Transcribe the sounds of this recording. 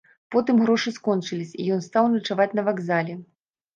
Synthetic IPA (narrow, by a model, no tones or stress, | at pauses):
pɔt̪ɨmɣɾɔʂɨskɔnt͡ʂɨlʲisʲijɔnst̪awnɐt͡ʂavat͡sʲnɐvaɡzalʲɛ